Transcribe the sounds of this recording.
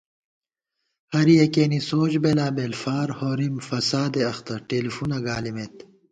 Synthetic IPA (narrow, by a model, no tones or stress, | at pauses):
hɐɾijekeːnisoːd͡ʑbelaːbelfaːɾhoːɾimfɐsaːd̪eɐxt̪ɐɾʈeːlifuːnɐɡaːlimeːt̪